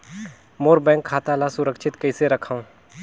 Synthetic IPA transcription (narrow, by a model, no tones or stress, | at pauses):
moːɾbɛ̃ːŋkʰːaːt̪alasʊɾəkʃʰɪt̪kɐɪseɾɐkʰaũ